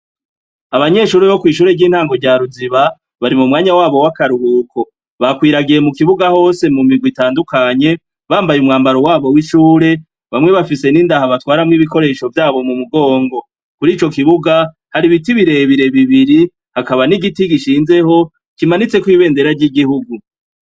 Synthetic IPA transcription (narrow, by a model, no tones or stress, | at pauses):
aβaɲe̞ʃuːɾeβo̞kwiːʃuːɾe̞ɾɟiːn̥haːŋɡo̞ɾɟaɾuziβa | βaɾimumŋaːɲawaːβo̞wakaɾuhuːkʰo̞ | βakwiːɾaɡije̞mukiβuɡaho̞ːse̞mumiɡwitaːndukaɲe̞ | βaːmbajumŋaːmbaɾo̞waːβo̞wiʃuːɾe̞ | βamŋe̞βafise̞nindahaβatwaːɾamŋiβiko̞ɾe̞ːʃo̞vjaːβo̞mumuɡo̞ːŋɡo̞ | kuɾiːt͡ʃo̞kiβuɡa | haɾiβitiβiɾe̞βiɾe̞βiβiɾi | hakaβaniɡitiɡiʃiːnze̞ho̞ | kimanit͡se̞kwiːβe̞ːnde̞ɾaɾɟiɡihuɡu